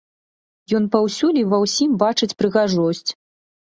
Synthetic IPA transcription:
jɔnpɐwsʲulʲivɐwsʲimbat͡ʂɨt͡sʲpɾɨɣaʐɔsʲt͡sʲ

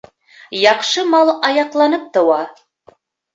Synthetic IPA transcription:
jɑqʃɤmɑlˠɑjɑqlˠɑnɤp̚t̪ɤ̆wɑ

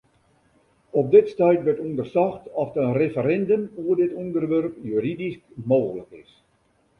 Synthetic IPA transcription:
ɔp̚dɪtstɛjtʋərtundərsɔxtɔfənrefəɾɛndəmuərdɪtɔndərʋørpjyridiskmoːɣləkɪ̰s

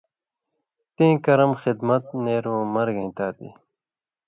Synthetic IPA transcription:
t̪ĩːkɐɾɐmxɪd̪mɐt̪neːɾõːmɐɾɡẽːt̪aːt̪ḭ

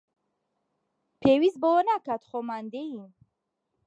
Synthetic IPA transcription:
pʰewiz̚bɔwənakʰat̪χomand̪eji

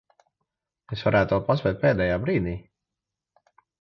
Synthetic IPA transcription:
esvaɾæːt̪ɔːpazvʲɛːt̪̚peːd̪ɛːjaːbɾiːd̪iː

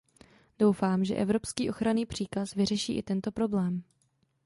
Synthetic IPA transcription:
d̥o̞wfaːmʒɛ̰ʔɛvɾo̞pskiːʔo̞xɾaniːpr̝̥iːkasvɪr̝ɛʃḭːʔɪt̪ɛnt̪o̞pɾo̞blɛːm

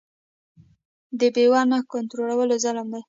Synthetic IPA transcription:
d̪əbewɑnakʊnt̪ɾolawəlozaləmd̪aj

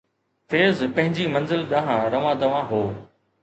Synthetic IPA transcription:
feːzpɐ̃ɦɪ̃ɲd͡ʑiːmɐ̃nzɪlɗ̪ãːɦãɾɐʋãːd̪ɐʋãːɦoː

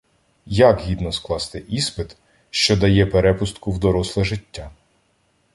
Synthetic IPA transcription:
jɐkɦʲid̪nɔsklˠɑst̪ɪʔispɪt̪ | ʃt͡ʃɔd̪ɐjɛpeɾɛpʊst̪kʊwd̪ɔɾɔslˠɛʒɪtʲːa

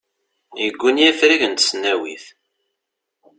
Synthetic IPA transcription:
jəɡʷːunijæfɾiʝənt̪sənːæwḭθ

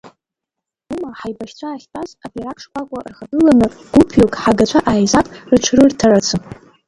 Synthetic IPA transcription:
umaħajbaʃʲt͡ɕʷʰaːχʲpʼazabaɾakʼʰʂkʷakʷʼarχabɨlanɨɡ̥ʷupʰjokʼħaɡat͡ɕʷʰaʔaːjzapʼrɨt͡ʃʷʰrɨrtʰaɾat͡sʰɨ

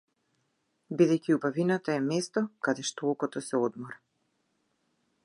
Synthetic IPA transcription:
bid̪ɛjciubavinat̪aɛmɛst̪ɔkad̪ɛʃt̪ɔolkɔt̪ɔsɛɔd̪mɔɾa

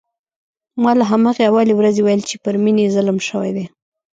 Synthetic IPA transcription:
mɑlaɦamɑɣeawɑlewɾazewajəlt͡ʃepəɾminezaləmʃəwa̰jd̪e

